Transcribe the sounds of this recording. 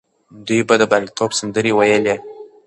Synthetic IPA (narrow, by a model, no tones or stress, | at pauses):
d̪ujbad̪əbalit̪ʰɔbsand̪əɾewajəle